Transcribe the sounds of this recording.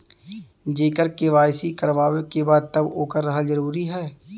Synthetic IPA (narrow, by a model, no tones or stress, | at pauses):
d͡ʒeːkəɾkeʋaːɪsikəɾʋaːʋekebaːd̪̚t̪ɐboːkəɾːɐɦazɐɾuːɾiɦɛː